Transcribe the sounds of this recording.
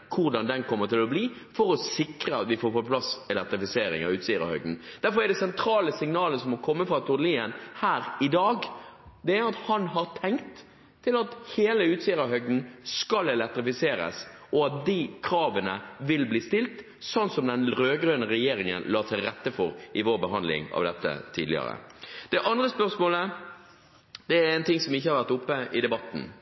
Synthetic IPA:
kʰʊɾd̪ɑnd̪ɛnkʰɔmːət̪ɪlɔbliː | fɔɾɔsɪkɾəɑt̪ʋɪfoːɾpɔpʰlɑsɛlɛk̚t̪ɾɪfɪseːɾɪ̰ŋɑ̰ʉːt̪siːɾɑ̰hœ̰ɡd̪n̩d̪̥æɾfɔɾæd̪ɛsɛnt̪ʰɾɑːləsɪŋnɑːləsɔmɔkʰɔmːəfɾɑt̪ʰʊɾd̪liːənhæːɾɪd̪ɑːɡd̪ɛæɾɑt̪hɑnɦɑɾt̪ʰɛŋkt̪ʰː | ɪlɑt̪heːləʉːt̪siːəɾɑhœɡd̪n̩skɑlɛlɛk̚t̪ɾɪfɪseːɾə̰sɔɑt̪̚d̪ikʰɾɑːʋənəʋɪlbliːst̪ɪlt̪ | sɔnt̪sɔmd̪ɛnɾøːɡɾøːnəɾɛjeːɾɪŋə̰nlɑːt̪ʰɪlɾɛt̪ːəfɔɾʔɪʋoːɾbəɦɑnd̪lɪ̰ŋɑ̰ʋd̪ɛt̪ːə̰t̪ʰiːd̪lɪ̰ə̰ɾə̰d̪̥ɛʔɑnd̪ɾəspœɾʂmoːlə | d̪ɛæɾɛːnt̪ɪŋsɔmɪç̬ːəhɑɾʋæɾt̪ʊpːəɪd̪ɛbɑt̪ːn̩

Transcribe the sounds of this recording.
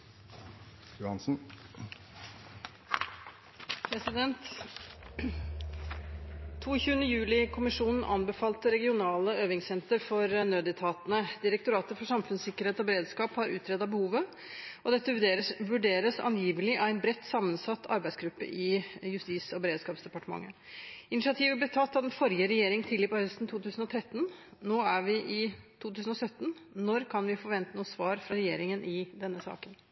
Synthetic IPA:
jʊhɑnsn̩ | pʰɾɛsɪd̪ɛnt̪ | uːçʉːənəjʉːlɪkʰʊmɪʂuːnn̩ʔɑ̰nbəfɑːlt̪əɾɛɡɪʊnɑːləøːʋɪŋsɛnt̪əɾfɔɾənøːd̪ɪt̪ʰɑːt̪ənəd̪ɪɾəkt̪ʊɾɑːt̪əfɔʂɑmfʉnsɪkːəɾheːt̪ɔbəɾeːd̪skɑːphɑɾʉ̰ːt̪ʰɾɛd̪ɑbəhuːʋə | ʔɔd̪ɛt̪ːəʋʉɖeːɾəsʋʉɖeːɾəsɑ̰njiːʋəlɪʔɑæɪnbɾɛt̪ːsɑmːənsɑt̪ːɑ̰ɾbæɪsɡɾʉpːə̰ʔɪjʉst̪iːsɔbəɾeːd̪skɑːpsd̪ɛpɑʈəmɑ̰ŋːə | ɪnɪʂɪɑt̪ʰiːʋəblɛt̪ʰɑt̪ːɑʋd̪ɛnfɔɾjəɾɛjeːɾɪŋt̪ʰɪlːɪpɔhœst̪n̩t̪ʰuːt̪ʰʉːsn̩ɔt̪ʰɾɛt̪ːnnoːæɾʋɪʔɪt̪ʰuːt̪ʰʉːsən̩ɔsœt̪ːnnɔɾkʰɑnʋɪfɔɾʋɛnt̪ənuːsʋɑːɾfɾɑɾɛjḛːɾɪŋənʔɪd̪ɛnːəsɑ̰ːkən

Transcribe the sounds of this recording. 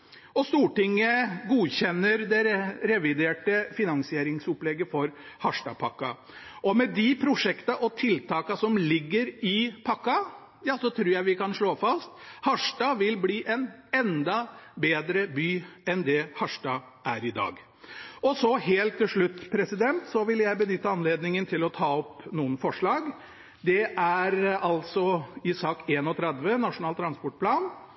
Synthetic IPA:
ɔst̪uːʈɪŋːəɡuːçɛnːəɾd̪ɛɾɛɾɛʋɪd̪eːʈəfɪnɑŋsɪeːɾɪŋsɔplɛɡəfɔɾ | hɑʂʈɑ̰pʰɑkːɑ | ʔɔmɛd̪ɪpʰɾʊʂɛkt̪ɑʔɔt̪ʰɪlt̪ʰɑːkɑsɔmlɪɡːəɾɪpʰɑkːɑ | jɑːsɔt̪ʰɾʉːɾjæɪʋɪkɑnʂɭoːfɑst̪hɑʂʈɑʋɪlbliːʔɛnɛnd̪ɑbeːd̪ɾəbyːɛnd̪ɛhɑʂʈɑ | ʔæɾɪd̪ɑ̰ːɡ | ɔsɔheːlt̪ʰːɪlʂɭʉt̪ːpʰɾɛsɪd̪ɛnt̪sɔʋɪljæɪbənʏt̪ːəɑnleːd̪nɪŋənt̪ʰɪlɔt̪ʰɑːɔpnuːənfɔʂɭɑːɡ | d̪ɛʔæɾɑlsɔɪsɑːkeːnɔt̪ʰɾɛd̪ʋənɑʂʊnɑːlt̪ʰːɾɑnspɔʈ̚pʰlɑːn

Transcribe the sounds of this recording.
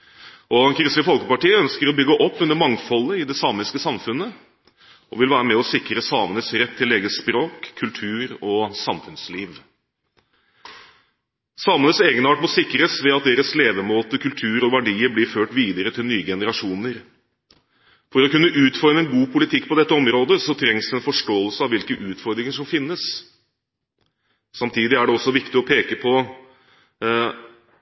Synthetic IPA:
ɔɛnkʰɾɪst̪ɪfɔlkəpɑʈiːœnskəɾɔbʏɡːəʔɔpːʉnːəɾmɑŋfɔlːəɪd̪ɛsɑːmɪskəsɑmfʉnːə | ʔɔʋɪlʋæːɾəmɛɔsɪkɾəsɑːmənəsɾɛt̪ʰːɪlːeːɡəspɾoːkʰːʉlt̪ʰʉːɾɔsɑmfʉnsliːʋ | sɑmənəseːɡənɑːʈmɔsɪkɾəsʋɛɑt̪̚d̪eːɾəsleːʋəmoːt̪əkʰʉlt̪ʰʉːɾɔʋæɖiːəɾblɪɾføːʈʋiːd̪əɾət̪ʰɪlnyːəɡɛnəɾɑʂuːnəɾ | fɔɾɔkʉnːəʔʉːt̪fɔɾməɛnɡuːpʰʊlɪt̪ʰɪkːpɔd̪ɛt̪ːəɔmɾoːd̪əsɔt̪ʰɾɛŋsɛnfɔʂʈoːəlsəɑʋɪlkəʔʉːt̪fɔɾd̪ɾɪŋəʂɔmfɪnːəs | sɑmt̪ʰiːd̪ɪæɖɛɔsːɔʋɪkt̪ɪɔpʰeːkəpʰɔ

